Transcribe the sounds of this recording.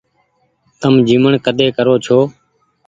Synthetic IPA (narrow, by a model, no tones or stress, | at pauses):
t̪əmd͡ʒiːməɳkəd̪eːkəɾoːt͡ʃʰoː